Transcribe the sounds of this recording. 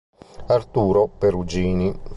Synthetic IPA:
art̪uːɾopeɾud͡ʒiːni

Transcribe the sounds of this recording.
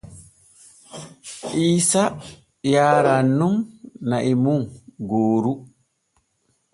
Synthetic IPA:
ʔiːsa | jaːɾanːumnaʔimuŋɡoːɾu

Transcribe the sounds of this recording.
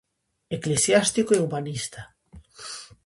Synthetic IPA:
eklesjast̪ikoeuβanist̪a

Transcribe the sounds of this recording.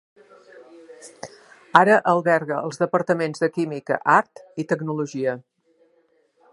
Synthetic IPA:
aɾəʔəlˠβɛɾɣəːlˠzðəpəɾt̪əmenzðəkimikə̰ʔaɾt̪it̪əɡnuluʒiə

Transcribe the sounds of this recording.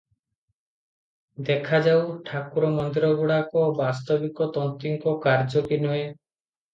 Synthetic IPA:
d̪ekʰad͡ʒawʈʰakuɾɔmɔnd̪iɾɔɡuɽakɔbast̪ɔbikɔt̪ɔnt̪iŋkɔkaɾd͡ʒɔkinɔe

